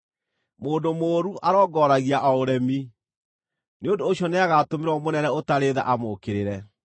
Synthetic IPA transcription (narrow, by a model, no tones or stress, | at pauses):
moːndomoːɾuʔaɾɔːɡɔːɾaɣiaʔaoɾɛmi | neondoːɕjɔneaɣatomeɾwɔmonɛnɛotaɾeːða̰ʔamokeɾeɾɛ